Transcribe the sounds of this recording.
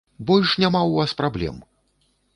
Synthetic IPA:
bɔlʲʂnʲamawvaspɾablʲɛ̰m

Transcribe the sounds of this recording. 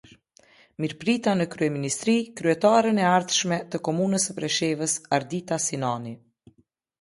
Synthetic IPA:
miɾpɾit̪anəkɾyɛminist̪ɾikɾyɛt̪aɾənɛaɾðʃmɛt̪əkɔmunəsəpɾɛʃɛvəsaɾd̪it̪asinani

